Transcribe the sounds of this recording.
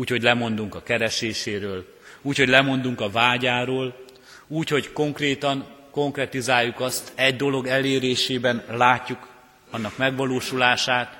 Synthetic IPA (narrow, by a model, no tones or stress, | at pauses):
uːcho̞ɟlɛmo̞nd̪uŋkɒkɛɾɛʃeːʃeːɾøːl | uːcho̞ɟlɛmo̞nd̪uŋkɒvaːɟaːɾoːl | uːcho̞ɟko̞ŋkreːt̪ɒŋko̞ŋkrɛt̪izaːjːukɒst̪ɛɟd̪o̞lo̞ɡɛleːɾeːʃeːbɛnlaːcːuk | ɒnːɒkmɛɡʋɒloːʃulaːʃaːt̪